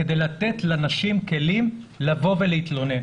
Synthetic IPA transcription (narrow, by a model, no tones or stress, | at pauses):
ked̪ejlat̪et̪lanaʃimke̞lim | lavo̞velehit̪lo̞nen